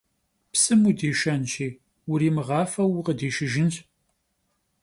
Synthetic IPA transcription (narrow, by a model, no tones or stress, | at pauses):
psɨmudeːʃɐnʃiː | ʊɾiːmɨʁɑːfɐwuqədeːʃɪʒɪnɕ